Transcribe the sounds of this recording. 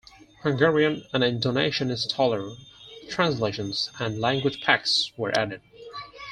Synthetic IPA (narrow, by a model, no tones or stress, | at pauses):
hʌ̃ŋɡɛɹiɨ̃nɨ̃nɪ̃ntʰoneɪʃɨ̃nɨztʰɔlˠə˞tʰɹ̥æ̃nsleɪʃɨ̃nz̥ɨ̃nlæ̃ŋɡwɨd͡ʒpʰæk̚swə̰˞ʔæ̰ɾɨd̥̚